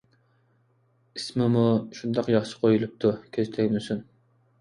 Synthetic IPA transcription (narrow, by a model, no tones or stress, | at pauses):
ismɪmuʃund̪ɑqjɑχʃɨ̥qʰojulˠup̚t̪ʰukʲʰøzt̪ʰɛkʲmɪsyn